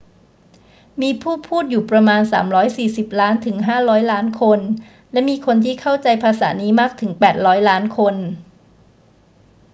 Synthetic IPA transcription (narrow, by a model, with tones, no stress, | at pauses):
miː˧pʰuː˥˩pʰuː˥˩t̪̚juː˨˩pɾa˧maː˧nsaː˩˦mɾɔː˦˥jsiː˨˩si˨˩p̚laː˦˥nt̪ʰɯ˩˦ŋɦaː˥˩ɾɔː˦˥jlaː˦˥nkʰo˧n | lɛ˦˥miː˧kʰo˧nt̪ʰiː˥˩kʰa˥˩wt͡ɕa˧jpʰaː˧sa̰ː˩˦niː˦˥maː˥˩k̚t̪ʰɯ˩˦ŋpɛː˨˩t̪̚ɾɔː˦˥jlaː˦˥nkʰo˧n